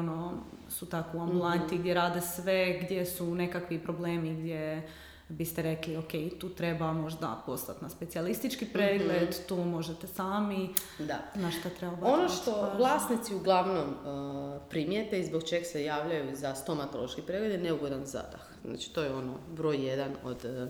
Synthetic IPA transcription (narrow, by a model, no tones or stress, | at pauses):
ono | sut̪akouambulˠantt̪iɡd̪jeɾaːd̪esʋeɡd̪je̞sune̞kakʋipɾo̞bleːmiɡd̪je̞ | bist̪eɾe̞klioke̞jt̪uːt̪ɾe̞bamo̞ʒd̪a̰po̞st̪at̪naspe̞t̪sialist̪it͡ʃkipɾeːɡled̪t̪oːmo̞ʒet̪esaːmi | d̪anaʃt̪at̪ɾebabonoʃt̪o̞alaːsnit̪siuɡlˠaʋnom | pɾimjet̪eizbokt͡ʃe̞ɡasejaːʋʎajuzast̪o̞mat̪oloʃkipɾeɡled̪jeneuɡod̪anza̰d̪a̰xzna̰t͡ʃi̥t̪ojɛo̞no̰bɾo̞ːjjed̪ano̰d̪